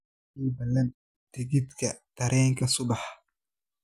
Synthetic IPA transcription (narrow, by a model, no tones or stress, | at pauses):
iːbɐlɐn | d̪̥ɪɣɪd̪kʰɐt̪ʰɐɾʔɛːŋkʰɐsʊbɑħ